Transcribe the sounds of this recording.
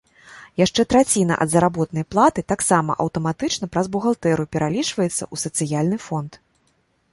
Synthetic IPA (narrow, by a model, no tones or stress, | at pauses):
jaʂt͡ʂɛt̪ɾat͡sʲinɐ̰ʔɐ̰d̪zɐɾabɔt̪nɐjplˠat̪ɨt̪aksamɐ̰ʔɐwt̪ɐmat̪ɨt͡ʂnɐpɾɐzbuɣalˠt̪ɛɾupʲɛɾalʲit͡ʂvɐjɛt̪sːɐ̰ʔusɐt̪sɨjalʲnɨfɔnt̪